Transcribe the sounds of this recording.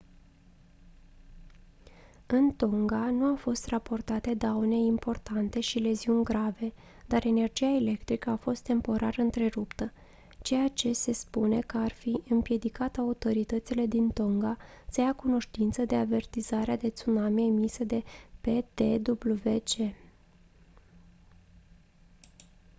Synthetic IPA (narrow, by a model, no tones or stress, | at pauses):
ɨnt̪o̞ŋɡanuafo̞st̪rapo̞rt̪at̪e̞d̪aune̞impo̞rt̪ant̪e̞ʃile̞ziunʲɡɾave̞ | d̪aɾe̞ne̞rd͡ʒijaele̞kt̪ɾikəafo̞st̪ːe̞mpo̞ɾʔa̰ɾəɨnt̪ɾe̞ɾupt̪ə | t͡ʃe̞jat͡ʃe̞se̞spune̞kəarfiʔɨmpje̞d̪ikat̪əaut̪o̞ɾit̪ət̪sile̞d̪int̪o̞ŋɡasəjakuno̞ʃt̪int̪səd̪e̞ave̞rt̪izaɾead̪e̞t̪sunameeemisəd̪e̞pe̞t̪e̞d̪ubluve̞t͡ʃe̞